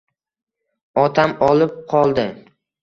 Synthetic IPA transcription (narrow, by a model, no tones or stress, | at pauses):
ɒt̪ʰamɒlˠɪp̚qʰɒlˠd̪ɪ